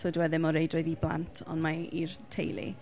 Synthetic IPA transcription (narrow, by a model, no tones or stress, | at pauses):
sɔduwɛðɪmɔɾejdroɨðiblˠa̰ntʰɔ̰nmairtʰḛjlḭ